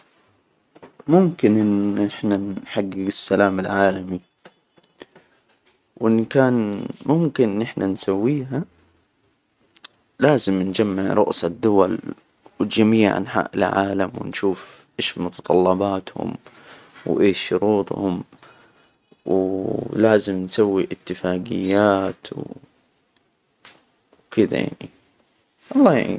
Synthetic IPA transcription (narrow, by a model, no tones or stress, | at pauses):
mʊmkɪnʔɪnʔɪħnanħaɡːɪɡɪsːalaːmɪlʕaːlami | wʔɪnːikaːnmʊmkɪnʔɪnʔɪħnʔansawːiːɦa | laːzɪmnd͡ʒamːɪʕɾˤʊ̰ʔsɑd̪ːʊwal | wɪd͡ʒamiːʕʕa̰nħa̰ːʔɪ̰lʕa̰ːlamwɪ̰nʃuːfʔeːʃmʊt̪ɑ̥t̪ˤɑlːɑbɑːt̪hʊ̰m | wʔeːʃʃːʊɾuːt̪ˤhʊ̰m | wlaːzɪmnsawːiʔɪt̪ːɪfaːɡɪjːaːt̪w | wkɪd̪a̰ja̰ʕnḭ | wɑlˤːɑ̰ː